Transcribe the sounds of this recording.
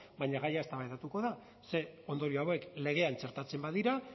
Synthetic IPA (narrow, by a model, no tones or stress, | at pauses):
baɲaɣajae̞st̪aβajðat̪uko̞ða | se̞o̞nd̪o̞ɾio̞awe̞kle̞ɣ̞e̞ant͡ʃeɾt̪at͡se̞mbaðiɾa